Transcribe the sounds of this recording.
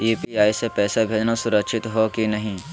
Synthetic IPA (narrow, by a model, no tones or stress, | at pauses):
iːpiaːisepɛːsabʱeːd͡ʒnasʊɾəkʃɪt̪ɦokinɐɦĩː